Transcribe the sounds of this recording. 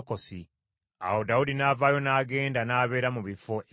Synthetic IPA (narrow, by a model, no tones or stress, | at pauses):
kosi | a̰wo̞daudinaːvaːjo̞naːɡe̞ːndanaːβe̞ːɾamuβifoʔ